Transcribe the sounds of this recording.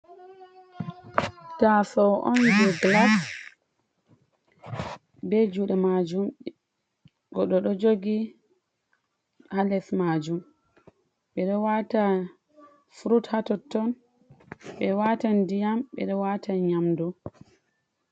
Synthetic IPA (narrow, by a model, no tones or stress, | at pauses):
tasɔʔɔ̰nd͡ʒɛɡlas | bɛd͡ʒuɗɛmad͡ʒum | ɡɔɗɔɗɔd͡ʒoɡi | halɛsmad͡ʒum | ɓɛɗɔwata | fɾuthatɔtːɔn | ɓɛwatandijamɓɛ̰ɗɔwatʰaɲamdu